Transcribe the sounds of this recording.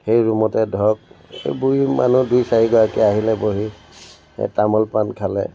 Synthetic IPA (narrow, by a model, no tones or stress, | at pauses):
xejɹumɔtɛdʱɔk̚ḛbuima̰nudujsaɹiɡɔɹakɛaɦilɛboɦḭ | tamɔlpankʰalɛ̰